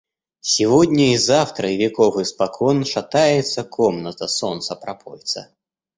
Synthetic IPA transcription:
sʲivɔd̪ʲnʲɐizawt̪ɾɐivʲɛkɔvɨspakʰɔnʂat̪ajɛt̪sːɐkʰɔmnɐt̪ɐsɔnt̪sɐpɾapɔ̰jt̪sɐ̰

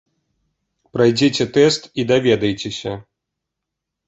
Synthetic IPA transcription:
pɾajd͡zʲet͡sʲɛt̪ɛst̪id̪avʲɛd̪ɐjt͡sʲesʲɐ

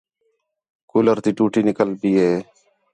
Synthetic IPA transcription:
kʊləɾt̪iːʈuːʈiːnɪkəlbiːɦeː

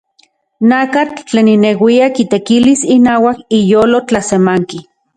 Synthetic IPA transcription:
nakat͡ɬt͡ɬeːninewiakit̪ekilisinaːwakijoːlot͡ɬasemaŋki

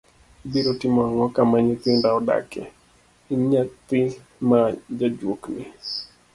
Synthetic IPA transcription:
biɾotɪmɔaŋɔkamaɲɪt̪ɪndaɔda̰kɛ̰ | iɲat̪ɪ | mad͡ʒad͡ʒwokni

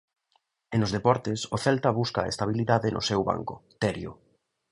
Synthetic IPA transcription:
enozðepɔɾt̪ɪsoθɛlt̪ɐβuskaḛst̪aβ̞iliðaðɪnʔʊ̰sɛwβa̰ŋkʊt̪ɛɾjo̰

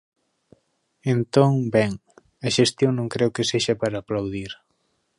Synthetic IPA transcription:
ent̪oŋbɛŋ | ɐʃest̪joŋnõŋkɾɛwkeseʃɐpaɾaːplawðiɾ

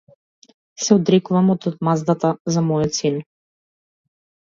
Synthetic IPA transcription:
sɛɔd̪ɾɛkuvamɔt̪ɔt̪mazd̪at̪azamɔjɔt̪sin

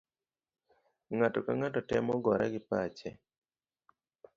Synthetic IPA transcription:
ŋatɔkaŋatɔtɛmɔɡɔɾaɡɪpat͡ʃɛ

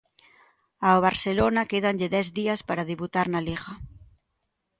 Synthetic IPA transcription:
aoβ̞aɾselonakeð̞anʎeðɛzðiaspaɾaðeβut̪aɾnaliɣa

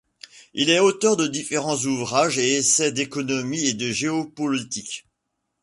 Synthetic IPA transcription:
ilɛot̪œʁd̪əd̪ifeʁɑ̃zuvʁaʒeesɛd̪ekɔnɔmied̪əʒeɔpɔlit̪ikʲ

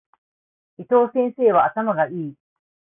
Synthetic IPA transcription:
it̪oːsẽnseːβaʔːt̪amaɡaʔiː

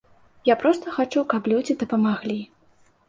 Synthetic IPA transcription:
japɾɔst̪ɐxat͡ʂuwkaplʲud͡zʲid̪ɐpɐmaɣlʲi

